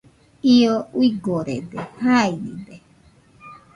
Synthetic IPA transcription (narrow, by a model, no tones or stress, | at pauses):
iowiɡoɾedehaiɾḭbe